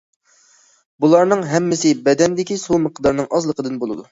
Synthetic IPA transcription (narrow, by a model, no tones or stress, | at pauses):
bulˠɑɾnɨŋɦɛmːɪsɪbɛd̪ɛnd̪ɪkʲisuməqʰd̪ɑɾnɨŋʔɑzlˠəqʰəd̪ɨnbolˠɨd̪u